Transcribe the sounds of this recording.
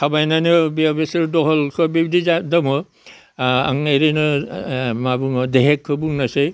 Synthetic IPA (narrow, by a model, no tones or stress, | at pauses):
kʰabajnanɯbiabesɯɾdɔɦɔlkʰɔbibdiadɔmɔ | a̰ŋnajɾenɯ | mabuŋɔdeɦekʰːɯbuŋnase